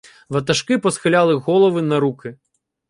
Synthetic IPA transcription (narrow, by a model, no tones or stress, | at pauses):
vɐt̪̬ɐʂkɨpɐsxɨlʲalˠɨɣɔlˠɐvɨnɐɾukɨ